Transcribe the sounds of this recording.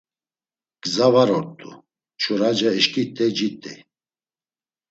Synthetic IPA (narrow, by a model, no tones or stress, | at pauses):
ɡ̥zavaɾɔɾt̪ʼṵ | t͡ʃʰuɾad͡ʒaɛʃkʼit̪ʼɛd͡ʒit̪ʼɛ̰